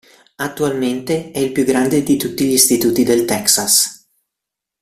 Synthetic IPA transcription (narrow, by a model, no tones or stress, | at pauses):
at̪ːualment̪eɛilpjuɡɾand̪ed̪it̪ut̪ːiʎist̪it̪uːt̪id̪elt̪ɛksas